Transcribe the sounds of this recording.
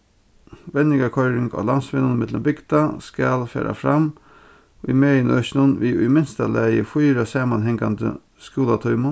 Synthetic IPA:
ʋɛnɪɡɑkʰɔʏɾɪŋɡɑ̰ːlɑnsʋɪnʊnmɪd̪lə̰mbɪɡd̪ɑskɑlfø̰ːɾʔa̰fɾɑm | ḭmeːɪnœʃnʊnʋiːʉ̰ʏmɪnst̪ɑlæɪəfʊːɾasɑːmɑnɦɛŋɡand̪ə̰ | skuːlat̪ʰɔʏmʊn

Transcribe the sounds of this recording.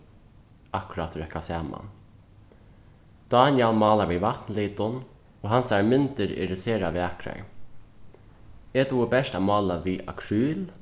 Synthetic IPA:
akʊɾat̪ʰɾɛhkasaːma̰n | d̪̥ɑːnjɛlmɑːlaʋiʋat̪nliːt̪ʊn | oːɦansaɹmʏnt̪ɪɾɪ̰ɾɪseːɾaʋiakɾa̰ɹ | et̪uəbɛʂtaːmɑːlaʋiːʔa̰kʰɾyːl

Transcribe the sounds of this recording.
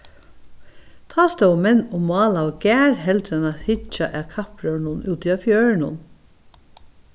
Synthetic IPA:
t̪ʰɑːst̪œwmɛnːʊmɑːlawɡ̥æːɹɦɛlt̪ɾɛnathɪt͡ʃaʔækʰapɹœɹɳʊnʉːt̪ʰiafjœːɹɳʊ̰n

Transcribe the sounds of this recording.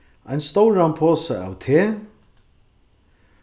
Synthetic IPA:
ʔajnst̪owɾanpʰoːsaa̰wt̪ʰeː

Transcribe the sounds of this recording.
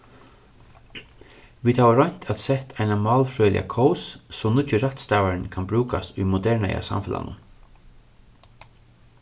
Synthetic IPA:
ʋiːd̪haːvaɾɔjɲ̥t̪ʰat̪sɛht̪ʰajnamaːlfɾœʏlɪ̰a̰kʰɔwssɔmnʊt͡ʃːɪɾaht̪st̪aːvaɾɪnkʰanbɾuːkast̪ʊjmʊd̪ɛɹɳa̰ja̰sa̰mfɪla̰nʊ̰n

